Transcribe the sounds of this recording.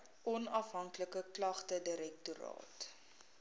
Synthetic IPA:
ʔɔnɐfɦɐŋkləkəklɐχtədəɾɛk̚tuɾɑ̰ːt

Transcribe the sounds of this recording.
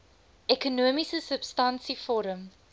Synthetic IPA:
ɛkunuəmisəsəpstɐnsifɔːɾəm

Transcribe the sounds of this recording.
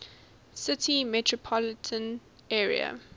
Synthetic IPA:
sɪtʰimɛtʰɹɔpʰɔlɪtʰə̃n | ɛːɹḭə̰

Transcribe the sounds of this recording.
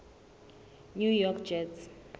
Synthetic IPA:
njujɔkd͡ʒɛts

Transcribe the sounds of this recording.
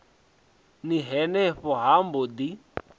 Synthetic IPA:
niɦɛnɛɸɔɦambod̪i

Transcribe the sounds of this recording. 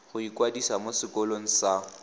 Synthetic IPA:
ɣʊikwadisamosɪkɔloŋ̩sa

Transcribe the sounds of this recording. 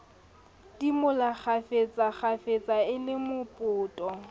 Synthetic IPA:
dimʊlaχʰafet͡sʼaχafet͡sʼaɪlɪmʊpʼʊːtʼɔ

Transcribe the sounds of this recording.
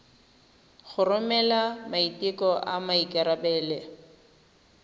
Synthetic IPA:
χʊrʊmɛlamaitikɔʔamaikʼɪɾabɛːle

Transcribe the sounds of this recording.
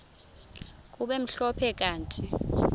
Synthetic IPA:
k̬ʼuɓem̩ɬɔpʰɛk̬ʼaːntʰʼi

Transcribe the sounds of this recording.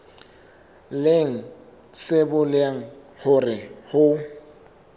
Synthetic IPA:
leŋ̩ | sɪbʊlɪaŋ̩ | hʊrɪhʊ

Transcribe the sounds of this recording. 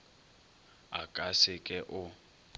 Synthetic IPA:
akʼasɪkʼɛʔʊ

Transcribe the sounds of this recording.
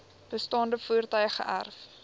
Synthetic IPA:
b̥əstɑːndəfuərtœɥχə̰ʔæ̰rf

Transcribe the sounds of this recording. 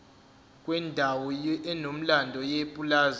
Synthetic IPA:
kʼwɛndʱawɔɛnom̩landʱɔjepʼulaːz

